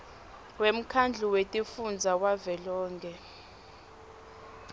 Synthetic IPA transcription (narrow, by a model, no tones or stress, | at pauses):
wem̩kʰand͡ɮʱuwetʼifund͡zʱawavɛlɔːŋkʰʼɛ